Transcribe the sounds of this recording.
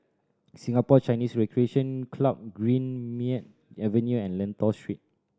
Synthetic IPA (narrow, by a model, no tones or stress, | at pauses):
sĩŋapɔt͡ʃajnisɹɛkɹieʃə̃nkʰlap̚ɡɹĩnmit̚ | ɛvə̃njuɛ̃nlɛ̃ntɔstɹit̚